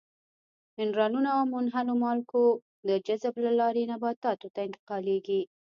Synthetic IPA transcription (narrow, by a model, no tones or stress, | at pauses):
ɪnɾɑnunaawmʊnɦalomɑlko | d̪əd͡ʒazəblalɑɾenabɑt̪ɑt̪ot̪aɪnt̪ɪ̥qɑleɡi